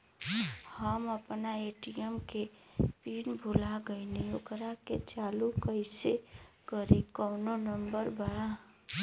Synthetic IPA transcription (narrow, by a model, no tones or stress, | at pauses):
həməpnaeːʈiəmke | piːnbʱʊlaɡəɪniokɾaket͡ʃaːlukəɪse | kəɾekɔːnonəmbəɾbaa